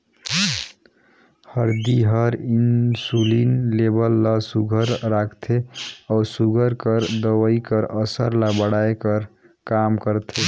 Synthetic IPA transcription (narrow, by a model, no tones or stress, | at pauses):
həɾd̪iɦəɾinsulinlebəlːasuɡʱəɾɾakʰt̪ʰeɔwsuɡʱəɾkəɾd̪əwəikəɾəsəɾlabəɽajkəɾ | kamkəɾt̪ʰe